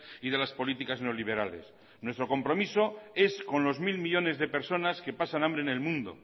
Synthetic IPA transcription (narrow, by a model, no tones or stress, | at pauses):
iðe̞laspo̞lit̪ikazneo̞liβ̞e̞ɾale̞̰s | nwe̞st̪ɾo̞ko̞mpɾo̞miso̞e̞sko̞nlo̞zmilmiʎo̞ne̞zðe̞peɾso̞naske̞pasanãmbɾene̞lmũnd̪o̞̰